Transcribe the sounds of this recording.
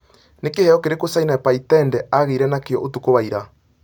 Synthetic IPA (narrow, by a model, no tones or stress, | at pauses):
nekehɛɔkeɾekosainapaitɛndɛaɣeiɾɛnakeɔ̰ʔotukoβaiɾa